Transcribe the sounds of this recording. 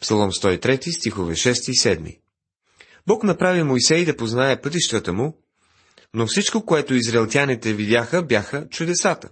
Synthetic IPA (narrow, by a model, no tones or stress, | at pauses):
psɐlˠɔmst̪ɔit̪ɾɛt̪ist̪ixovɛʃɛst̪isɛd̪mḭ | bɔknɐpɾavimojsɛjd̪ɐpoznaɛpɤt̪iʃt̪ət̪əmu | nofsit͡ʃkokoɛt̪ʊizɾɐɛlˠt̪ʲjanit̪ɛvid̪ʲjaxəbjaxət͡ʃʊd̪ɛsat̪ə